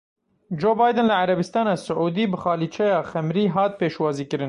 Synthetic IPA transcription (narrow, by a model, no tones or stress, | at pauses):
d͡ʒoːbɑːjd̪ɨnlɨʕaɾɛbɪst̪ɑːnɑːsʊʕuːd̪iːbɨxɑːliːt͡ʃʰɛjɑːxɛmɾiːɦɑːt̪̚peːʃwɑːziːkɨɾɨn